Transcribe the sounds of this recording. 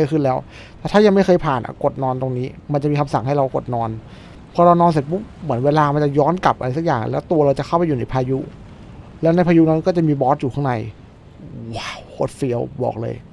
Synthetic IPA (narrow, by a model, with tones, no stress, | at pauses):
jkʰɯ˥˩nlɛː˦˥w | t̪ɛː˨˩t̪ʰaː˥˩ja˧ŋma˥˩jxʰɤː˧jpʰaː˨˩nʔa̰˧˩ko˨˩t̪̚nɔː˧nt̪o˧ŋniː˦˥ma˧nt͡ɕa˨˩ʔmiː˧a˧msa̰˨˩ŋɦa˥˩ɾa˧wko˨˩t̪̚nɔː˧n | pʰɔ˦˥˩ɾa˧wnɔː˧ns̬e˨˩t̪̚bu˦˥mɯ˩˦ənweː˧laː˧ma˧nt͡ɕa˨˩jɔː˦˥nka˨˩p̚ʔa˧a˧jsa˨˩k̚jaː˨˩ŋlɛː˦˥wt̪u˧ɐɾa˧wt͡ɕa˨˩kʰa˥˩wpa˧juː˨˩na˦˥jpʰaː˧ju˦˥ | lɛː˦˥wna˧jpʰa˧ju˦˥na˦˥nkɔː˥˩t͡ɕa˨˩miː˧bɔː˦˥t̪̚juː˨˩kʰa˥˩˨na˧j | waː˧˥˩wkʰo˦˥t̪̚fi˧əwbɔ̰ː˨˩k̚lɤ̰ː˧j